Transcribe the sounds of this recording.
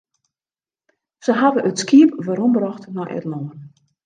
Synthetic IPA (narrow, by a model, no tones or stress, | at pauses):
səɦavəʔətskiəpʋaɾɔmbrɔxtnɔʔɛ̰tlɔən